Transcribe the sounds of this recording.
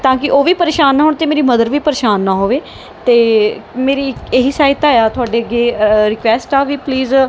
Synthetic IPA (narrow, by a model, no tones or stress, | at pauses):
t̪ãːkɪʔoːʋiːpəɾeːʃaːnːaːɦʊɳt̪eːmeːɾiːməd̪əɾʋiːpəɾeːʃaːnːaːɦoːʋeː | t̪eːmeːɾiːeɦiːsaːɪt̪aːjaːt̪ʊaːɖeːəɡeːɾɪkʋɛːsʈaːʋiːpliːz